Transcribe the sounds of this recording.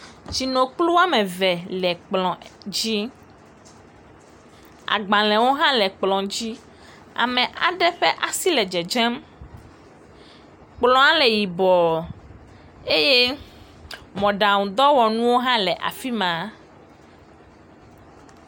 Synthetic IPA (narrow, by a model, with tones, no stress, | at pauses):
t͡ʃi˨nõ˨k͡plu˦wa˦mɛ̃˨vɛ˨lɛ˨k͡plɔ̃˨d͡ʑi˦ | a̰˨ɡ͡bã˨lɛ̃˨wo˦ɦã˦lɛ˨k͡plɔ̃˨d͡ʑi˦ | a̰˨mɛ̃˨ʔa̰˨ɖɛ˦ɸɛ˦ʔa˨si˦lɛ˨d͡ʒɛ˨d͡ʒɛ̃˦m | k͡plɔ̃˦ã˦lɛ˨ji˨bɔ˨ | e˦je˦ | mɔ̃˨ɖa˨ŋũ˨d̪ɔ˦wɔ˨nũ˦wo˦ɦã˦lɛ˨ʔa̰˨fi˦mã˨